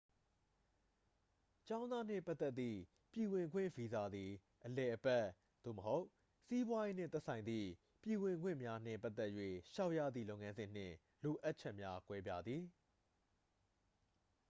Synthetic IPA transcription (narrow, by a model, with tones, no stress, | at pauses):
t͡ɕã˦ʊ̃nd̪a˦n̥ɪ̰̃˦˨pa˦t̪ːɛ˦t̪t̪ːḭ˦˨ | pji˨wɪ̃˨ŋɡwɪ̰̃˦˨vi˨za˨d̪i˨ | ʔəlɛ˨ʔəpɛ˦˨ | d̪̥o̰˦˨məɦo˦ʊʔ | si˦bwa˦je˦n̥ɪ̰̃˦˨t̪ɛ˦ʔsʰã˨ɪ̃nd̪ðḭ˦˨ | pji˨wɪ̃˨ŋɡwɪ̰̃˦˨mja˦n̥ɪ̰̃˦˨mpa˦ʔt̪ɛ˦ʔjwḛ˦˨ʃa˦ʊʔja̰˦˨d̪ðḭ˦˨lõ˦ʊ̃˨ŋã˦nzɪ̃˨n̥ɪ̰̃˦˨ | lo˨ʔa˦ʔt͡ɕʰɛ˦ʔmja˦kwɛ˦bja˦˨d̪ði˨